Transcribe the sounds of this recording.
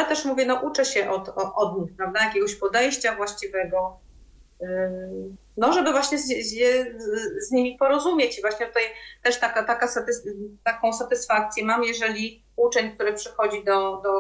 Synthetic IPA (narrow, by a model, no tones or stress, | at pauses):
jat̪ɛʂmuvʲjɛnɔʔut͡ʂɛɕɛʔɔt̪ɔʔɔd̪ɲixpɾavd̪ajakʲɛɡɔɕpɔd̪ɛjɕt͡ɕavwaɕt͡ɕivɛɡɔ | nɔʐɛbɘvwaɕɲɛzjɛzɲimʲipɔɾɔzumʲjet͡ɕivwaɕɲɛt̪ut̪ajt̪ɛʂt̪akat̪akasat̪ɘst̪akɔ̃w̃sat̪ɘsfak̚t̪sʲjɛmamjɛʐɛlʲi | ut͡ʂɛɲk̚t̪uɾɘpʂɘxɔd͡ʑid̪ɔd̪ɔ